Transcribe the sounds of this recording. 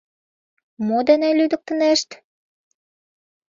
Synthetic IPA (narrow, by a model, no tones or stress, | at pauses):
mod̪ænælyd̪ə̆k̚t̪ə̆næʃt̪